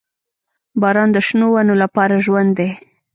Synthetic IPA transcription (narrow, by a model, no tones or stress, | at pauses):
bɑɾɑnd̪əʃnowanolapɑɾaʒwand̪ːe